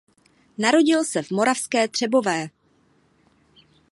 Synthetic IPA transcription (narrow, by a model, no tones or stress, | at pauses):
naɾo̞ɟɪlsɛvmo̞ɾafskɛːt̪r̥ɛbo̞vɛː